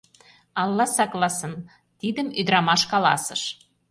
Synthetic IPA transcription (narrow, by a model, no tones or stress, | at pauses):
ɑlˠːɑsɑklɑsɤ̆n | t̪id̪ə̆myd̪ɾɑmɑʃkɑlɑ̰sə̰̆ʃ